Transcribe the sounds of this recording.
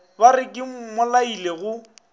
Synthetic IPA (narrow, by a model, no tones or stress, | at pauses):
barɪkʼɪm̩mʊlaileɣʊ